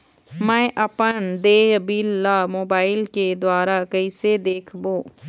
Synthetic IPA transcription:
mɛ̃ːʔəpənd̪eːjəbiːlːaːmoːbaːɪlked̪ʊaːɾaːkəised̪eːkʰboː

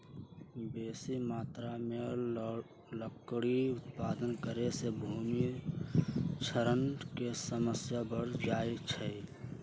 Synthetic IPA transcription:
beːsimaːt̪ɾame | ləkɽiʊt̪̚paːd̪ənkəɾesebʱuːmi | t͡ʃʰəɾənkesəməsjabəɾd͡ʒaːit͡ʃʰɛ

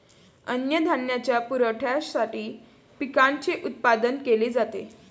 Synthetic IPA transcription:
ənjəd̪ʱaɳjat͡ɕjapuɾəʈʰjasaʈiː | pikaɳt͡ɕeʔut̪̚pad̪ənkeled͡zat̪e

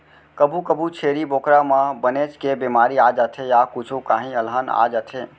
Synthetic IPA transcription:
kəbʱukəbʱut͡ʃʰeɾibokɾamãbənet͡ʃkebimaɾiad͡ʒat̪ʰejakut͡ʃʰokaːɦĩəlɦana̰d͡ʒat̪ʰe

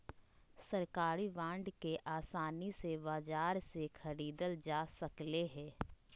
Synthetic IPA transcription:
sɐɾkaːɾiʋãːɳɖkeʔaːsaːnisebaːd͡ʒaːɾsexʰɐɾiːd̪əld͡ʒaːsɐkleɦɛ̃ː

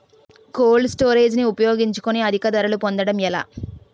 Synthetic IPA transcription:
koːlsʈoːɾeːd͡ʒniupɐjo̞ːɡiɲt͡ʃu̥koniɐd̪ʱikɐd̪ɐɾɐlupond̪ɐɽɐmɛla̰ː

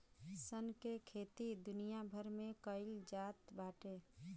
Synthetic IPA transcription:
sənkekʰeːt̪id̪ʊnijabʱəɾmẽkəɪld͡ʒaːt̪baːʈe

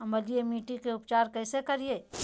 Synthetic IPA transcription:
ɐ̃mbəlijemiːʈikeʊpt͡ʃaːɾkɛːsekɐɾieː

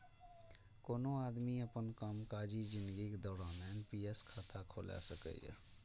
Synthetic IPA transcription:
koːnoaːd̪miəpənkaːmkaːd͡ʒid͡ʒɪ̃nd̪ɡikd̪ɔːɽaːnɛːnpiːɛskʰaːt̪ʰakʰoːla̰səkə̰j̰

